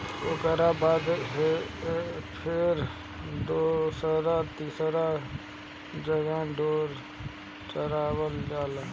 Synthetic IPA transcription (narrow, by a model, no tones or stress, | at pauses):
okəɾabaːd̪ɦe | pʰɪɾ | doːsəɾat̪iːsɾa | d͡ʒəɡə̃ɖoːɾ | t͡ʃəɾaːwəld͡ʒaːlː